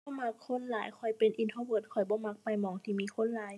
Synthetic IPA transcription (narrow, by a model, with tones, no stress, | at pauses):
bɔː˧˦ma˧˥kʰːo˧˥˨nlaː˨˦jkʰɔ˧˩jpe˨˩nʔi˧nt̪ʰoː˧bɯ˧˩t̪̚kʰɔ˨˩jbɔː˧˦ma˧˥k̚pa˧˩jmɔː˨˩˦ŋt̪ʰiː˧˩miː˧˨kʰo˧˥˨nlaː˨˦j